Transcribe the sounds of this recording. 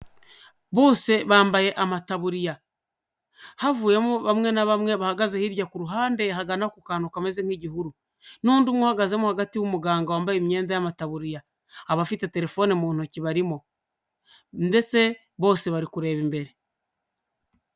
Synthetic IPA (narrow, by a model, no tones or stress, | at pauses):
βo̞ːse̞βaːmbaje̞ʔamataβuɾija | havuːje̞muβamŋe̞naβamŋe̞βahaɡazehiɾjakuɾuɦaːnde̞ɦaɡanakukaːnukamezeŋ̥hiɟihuɾu | nuːndumwohaɡaze̞muhaɡatiwumuɡaːŋɡawaːmbajemɲe̞ːndajamataβuɾijaː | βafite̞te̞ɾe̞fo̞ːnimuːn̥uciβaɾimo | nde̞t͡se̞ | βo̞ːse̞βaɾikuɾe̞ːβimbe̞ɾe̞